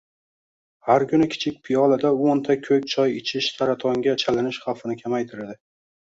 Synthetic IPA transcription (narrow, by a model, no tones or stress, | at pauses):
haɾkʊnɪkʲʰɪ̥t͡ʃʰɪk̚ʲpʰɪjɒlad̪aont̪ʰakʲʰɵk̚ʲt͡ʃʰɒjɪt͡ʃʰɪʃsʰaɾat̪ʰɒŋɡʲat͡ʃʰalɪnɪʃχawfɪnɪkʲʰamajt̪ʰɪɾad̪ɪ